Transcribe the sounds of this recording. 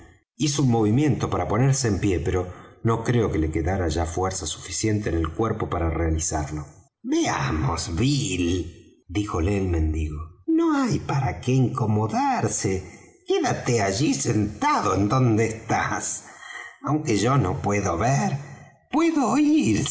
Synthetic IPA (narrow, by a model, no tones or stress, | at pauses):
isounmo̞βimje̞nt̪o̞paɾapo̞neɾseːmpje̞peɾo̞no̞kɾe̞o̞kele̞keðaɾaʒafweɾsasu̥fisje̞nt̪eːnelkweɾpo̞paɾarealisaɾlo̞ | bea̰mosβil | d̪ixo̞leːlmẽ̞nd̪iɣonoajpaɾakeiŋko̞mo̞ðaɾse | keðat̪eaʒisent̪aðo̞end̪o̞nd̪eːst̪as | awŋkeʒonopwe̞ðoβeɾ | pweðoiɾ